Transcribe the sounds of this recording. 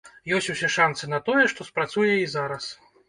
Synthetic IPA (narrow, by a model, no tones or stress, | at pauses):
jɔsʲt͡sʲusʲɛʂant̪sɨnɐt̪ɔjɛʂt̪ɔspɾat̪sujɛizaɾɐs